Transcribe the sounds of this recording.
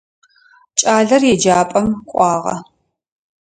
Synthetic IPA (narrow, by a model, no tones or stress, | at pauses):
t͡ʃʼaːɮɐrjɛd͡ʒaːpʼɐmqʷʼɑːʁɐ̰